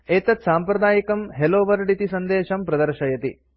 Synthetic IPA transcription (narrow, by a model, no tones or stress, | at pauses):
eːt̪ɐt̪saːmpɾɐd̪aːjikɐmɦeloːʋɐɾɖit̪isɐnd̪eːʃɐmpɾɐd̪ɐɾʃɐjɐt̪ḭ